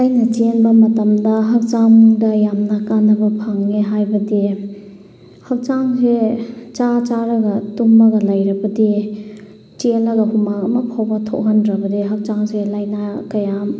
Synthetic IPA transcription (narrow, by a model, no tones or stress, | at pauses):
ajnɐt͡ʃenbɐmɐtɐmdɐɦɐk̚t͡ʃamdɐjamnɐkanːɐbɐpʰaŋːeɦajbɐdi | hɐk̚t͡ʃaŋset͡ʃat͡ʃaɾɐɡɐtumːɐɡɐlajɾɐbɐdi | t͡ʃelɐɡɐhumaɐmɐpʰawbɐtʰo̰ʔɦɐndɾɐbɐdiɦɐk̚t͡ʃaŋselajnakɐjam